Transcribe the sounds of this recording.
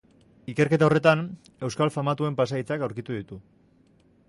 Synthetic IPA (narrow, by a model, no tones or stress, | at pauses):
ike̞ɾke̞t̪ao̞re̞t̪an | e̞wskalfamat̪ue̞mpasait͡sakawɾkit̪uðit̪u